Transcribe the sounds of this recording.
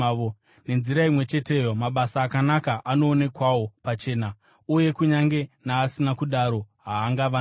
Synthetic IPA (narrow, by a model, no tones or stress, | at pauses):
o | ne̞nziɾaimwe̞t͡ʃe̞te̞jo̞maɓasaːkanakaʔano̞ːne̞kwawo̞pat͡ʃe̞ːna | uje̞kuɲaŋɡe̞naːsinakuɗaɾo̞ɦaːŋɡaʋa